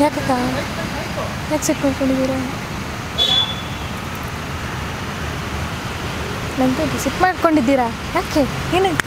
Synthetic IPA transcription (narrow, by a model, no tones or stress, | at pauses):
jaːkakaː | jaːksiʈmaːɽkoɳɖid̪iːɾa | nɐŋɡesiʈmaːɽkoɳɖid̪ːiːɾa | jaːke | eːne